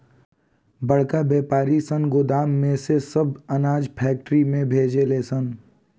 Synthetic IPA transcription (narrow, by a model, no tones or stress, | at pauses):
bəɽ̤kabeːpaːɾisə̃nɡʊd̪aːmːẽsesɐbɐnaːd͡ʒpʰɛːk̚ʈɾimẽbʱeːd͡ʒeleːsən